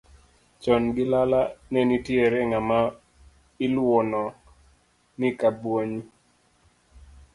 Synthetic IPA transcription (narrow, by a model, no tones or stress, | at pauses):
t͡ʃɔnɡɪlalanɛnitjeɾɛŋama | ɪlwɔnɔ | nɪkabwoɲi